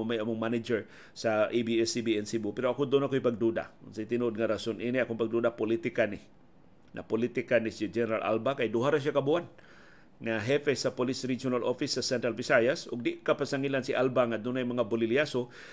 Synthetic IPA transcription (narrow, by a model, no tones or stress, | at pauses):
majɐmʊŋmanɪd͡ʒɛɹ | saʔibiɛsibiɛnsibupɛɾoakʊd̪ʊnakojpaɡ̚d̪ud̪a̰ʊnsajt̪ɪnuʔod̪̚ŋaɾasonʔiniakoŋpaɡ̚d̪ud̪apʊlit̪ɪkanɪ | nʔa̰pʊlit̪ɪkanɪsid͡ʒɛnɛɾalʔa̰lbakajd̪ʊɦaɾaʃ̬akabuan | ŋaɦɛfɛsapʊlisɾid͡ʒʊnalʔofɪsːɐsɛnt̪ɾalvɪsajasʔʊɡ̚d̪ɪʔkapasaŋilansɪʔalbaŋad̪ʊnajmɐŋabʊlɪljaso